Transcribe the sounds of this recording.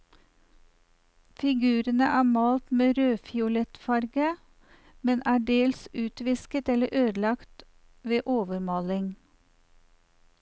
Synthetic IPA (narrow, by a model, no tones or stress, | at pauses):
fɪɡʉːɾənəʔæːmɑːlt̪meːɾøːfjʊlɛt̪fɑɾɡə | mɛnʔæːɖeːlsʉːt̪ʋɪskət̪ɛləʔøːd̪lɑkt̪ | ʋeːʔoːʋəɾmɑːlɪŋ